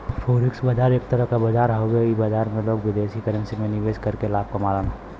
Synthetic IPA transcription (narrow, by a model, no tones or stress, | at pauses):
fʰoːɾɪksbəd͡ʒaːɾeːk̚t̪əɾəɦkabəd͡ʒaːɾɦoɡeibad͡ʒaːɾmẽloːɡʋɪd̪eːʃikəɾə̃nsimẽnɪʋeːʃkɐɾkelaːb̚komaːlənː